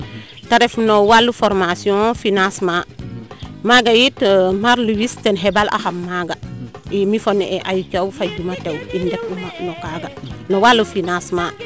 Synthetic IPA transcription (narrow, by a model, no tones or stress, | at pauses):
taɾefnowalːufoɾmasiõfinasma | maɡajitmaɾluwistenɦebalʔa̰hamːaɡaimifonɛʔeʔajukawfad͡ʒumatewindek̚anokaɡanowalːufinasma